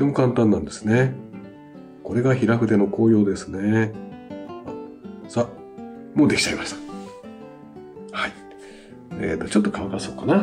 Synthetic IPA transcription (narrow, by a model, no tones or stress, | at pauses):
ot̪e̞mo̞kãnt̪ãnːãnd̪e̞sɨ̥ne̞ | ko̞ɾe̞ɡaçiɾaɸɯ̟d̪e̞no̞ko̞ːjo̞ːd̪e̞sɨne̞ | asa | mo̞ːd̪e̞kʲi̥t͡ɕaimaɕit̪ḁ | hai | ḛt̪ːo̞t͡ɕo̞t̪ːokaβakaso̞ːkana